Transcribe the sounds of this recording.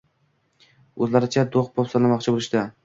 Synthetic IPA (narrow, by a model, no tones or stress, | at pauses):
ɵzlaɾɪt͡ʃʰad̪oχbɒpsanlamɒqt͡ʃʰɪbolɪʃt̪a